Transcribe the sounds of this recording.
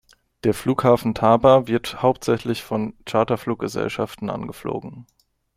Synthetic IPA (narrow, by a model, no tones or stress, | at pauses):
d̥eːɐfluːkhaːfn̩tʰaːbɐvɪɐthaʊp̚tz̥ɛçlɪçfɔnt͡ʃaɐtɐfluːk̚ɡ̥əzɛ̰lʃaftn̩ʔa̰nɡəflo̰ːɡŋ̩